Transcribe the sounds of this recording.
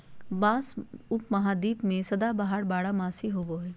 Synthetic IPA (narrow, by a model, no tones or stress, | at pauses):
baːsʊpmɐɦaːd̪iːpmẽsɐd̪aːbaɦaɽbaːɽamaːsiɦoːboɦɛː